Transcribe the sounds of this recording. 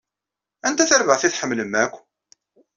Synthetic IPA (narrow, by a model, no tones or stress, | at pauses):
ænt̪æθæɾvəʁθiθħəmːləmːækʷː